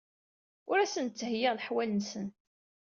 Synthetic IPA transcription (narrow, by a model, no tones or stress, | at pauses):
ʊɾæsənt͡sːhjɪʁlħwælnsən